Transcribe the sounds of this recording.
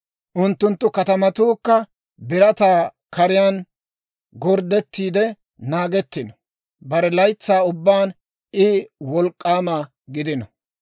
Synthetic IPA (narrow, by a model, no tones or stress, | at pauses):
ʔʊnt̪ːʊnt̪ːʊkɐt̪ɐmɐt̪uːkːɐ | bɪɾɐt̪aː | kɐɾɪjaːn | ɡɔɾd̪ɛt̪ːiːd̪ɛ | naːɡɛt̪ːɪnɔ | bɐɾɛlɐjt͡sːaːʊbːaːn | ɪwɔlkʼːaːmɐ | ɡɪd̪ɪnɔ